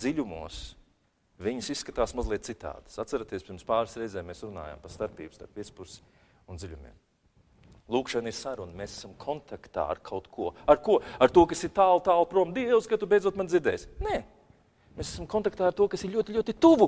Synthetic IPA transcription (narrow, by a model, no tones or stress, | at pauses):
ziʎʲumṵɔs | viɲusisːkat̪aːsmazlˠiɛt̪̚sit̪a̰ːd̪̥ə̥sat̪saɾat̪iɛspiɾmspaːɾsɾɛjzɛːmeːsɾuna̰ːja̰mpast̪aɾpḭːbust̪a̰ɾpvit̪spuɾsi̥ | und̪zilʲumḭɛm | lˠuːkʃaniɾsaɾunmesḁsamkʰɔnt̪akt̪a̰ːa̰ɾkʰawt̪kʰuɔaɾkuɔaɾt̪uɔkasiɾt̪aːlˠt̪aːlˠpɾuɔmd̪iɛskat̪ubejd̪zuɔt̪manziɾd̪ɛːjsnɛː | meːsæsamkɔnt̪akt̪aːaɾt̪uɔkasiɾʎʲuɔt̪ilʲuɔt̪it̪uvu